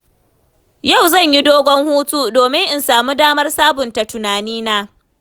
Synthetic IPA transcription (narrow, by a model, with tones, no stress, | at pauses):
ja˦˨wzɐ˦˨ɲji˦doː˦ɡʷɔ˦ŋhuː˦tu˦doː˨mɪ˦ŋʔɪ˨nsaː˨muː˦daː˦mɐ˦rsaː˦bʊ˨nta˨tʊ˨naː˨niː˦naː˦